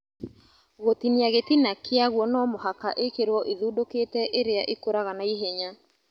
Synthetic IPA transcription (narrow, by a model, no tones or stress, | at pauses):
ɣotineaɣetinakʰeaɣwɔnɔmoɦakaʔekeɾwɔʔiðuːdoketɛʔeɾeaʔekoɾaɣanaiɦeɲa